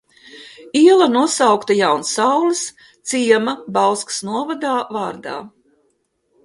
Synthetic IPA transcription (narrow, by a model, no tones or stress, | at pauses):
iɛlˠanuɔsawkt̪ajawnsawlɨs | t̪siɛmabalskɨ̥snuɔvad̪aːvaːɾd̪a̰ː